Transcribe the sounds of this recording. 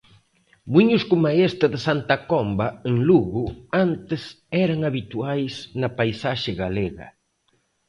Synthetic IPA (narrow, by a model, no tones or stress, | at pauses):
muɲʊskomaest̪ɐðɪsant̪ɐkɔmbɐeŋluɣʊant̪ɪs | ɛɾɐŋaβit̪uajsnɐpajsaʃɪɣaleɣɐ̰